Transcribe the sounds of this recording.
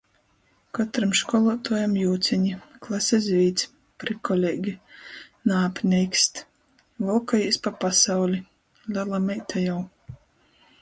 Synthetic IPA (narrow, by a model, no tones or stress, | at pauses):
kɔt̪ɾamʃkɔlˠɔːt̪uːjamjuːt̪sʲiɲiklˠasʲɛzʲvʲiːt̪sʲ | pɾikɔlʲeɡʲinaːpʲnʲɛjkst̪ | vɨlˠkajisʲpapasawlʲi | lʲalˠamɛjt̪ʰajaw